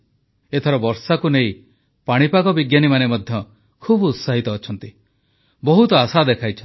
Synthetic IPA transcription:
et̪ʰɔɾɔbɔɾsakunej | paɽ̃ipakɔbiɡjanimanemɔd̪ʱjɔ | kʰubut̪saɦit̪ɔːt͡ʃʰɔnt̪i | bɔɦut̪ɔasad̪ekʰajt͡ʃʰɔ

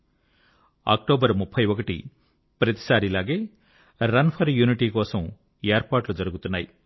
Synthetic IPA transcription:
a̰ːk̚ʈoːbɐɾmupʰːɐjʋɔkɐʈḭ | pɾɐt̪i̥saːɾilaːɡe̞ː | ɾɐnpʰɐɾjuːniʈiːkɔːsɐm | eːɾpaːʈlud͡ʒɐɾuɡut̪unːaːji

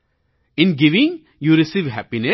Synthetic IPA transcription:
ɪ̃nɡiʋɪ̃ŋ | juɾisiʋɦɛpinɛ

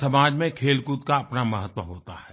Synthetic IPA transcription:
sɐmaːd͡ʒmẽkʰeːlkut̪kaɐpnamɐɦət̪wəɦoːt̪a̰hɛː

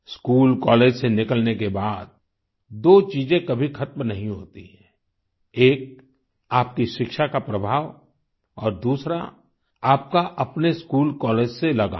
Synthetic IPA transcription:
skuːlkɔːleːd͡ʒsenɪkəlnekebaːd̪̚ | d̪oːt͡ʃiːzẽkɐbʱixʰɐt̪mnɐɦĩɦo̰ːt̪iɦɛ̃ | eːk̚ | aːp̚kiʃɪkʃakapɾɐbʱaːʋ | ɔːɾd̪uːsɾa̰ | aːp̚kaʔɐpneskuːlkɔːleːd͡ʒselɐɡa̰ː

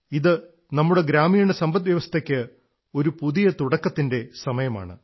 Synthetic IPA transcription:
iðɨ | nɐmːuɽe̞ɡɾaːmiːɳesɐmbɐt̪ʋjɐʋɐst̪ʰekʲːɨ | o̞ɾupuðijɐt̪uɽɐkːɐt̪ːinde̞sɐmɐjɐma̰ːɳɨ̰

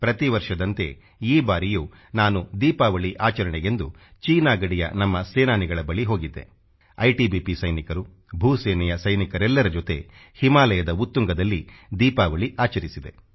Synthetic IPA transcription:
pɾɐt̪iʋɐɾʂɐd̪ɐnt̪e̞̰ | iːbaːɾijuː | naːnud̪iːpaːʋɐɭiʔaːt͡ʃɐɾɐɳɛɡe̞nd̪u | t͡ʃiːnaːɡɐɽijɐ̰nɐmːɐseːnaːniɡɐɭɐbɐɭiɦo̞ːɡid̪ːe̞̰ | ɐ̰jʈibiːpisɐjnikɐɾu | bʱuːsɛːnɛjɐsɐjnikɐɾɛlːɐɾɐd͡ʒot̪e̞̰ | himaːlɐjɐd̪ɐut̪ːuŋɡɐd̪ɐlːid̪iːpaːʋɐɭiʔaːt͡ʃɐɾisid̪e̞

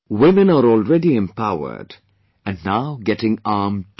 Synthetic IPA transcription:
wɪmə̃naɾɔːlɹɛdiɛ̃mpʰaʊə̰d | ɨ̃nːaʊɡɛtɪ̃ŋaːm

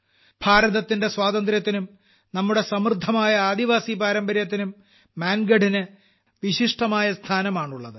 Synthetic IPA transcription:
bʱaːɾɐðɐt̪ːinde̞swaːd̪ɐnd̪ɾjɐt̪ːinum | nɐmːuɽe̞sɐmrd̪ʱɐmaːjɐaːd̪iʋaːsibaːɾɐmbɐɾjɐt̪̬ːinumː | aːnɡɐɖinɨ | ʋiɕiʂʈɐmaːjɐst̪ʰaːnɐmaːɳuɭːɐðɨ

